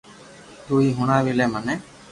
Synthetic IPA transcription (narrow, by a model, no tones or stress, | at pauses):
d̪uiɦuɽ̃aʋilɛmanɛ